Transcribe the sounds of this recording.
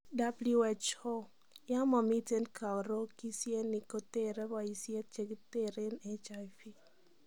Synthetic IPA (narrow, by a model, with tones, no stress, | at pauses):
da˦blu˦ɛ˨t͡ʃho˦ | ja˦mɔ˨mi˦te˦nkʰa˨wɾo˦ki˦sje˦ni˨ko˦te˦ɾɛ˦ba˨i˦sje˦t̚t͡ʃe˨ɡi˦te˦ɾe˦nɛ˦t͡ʃa˨fi˦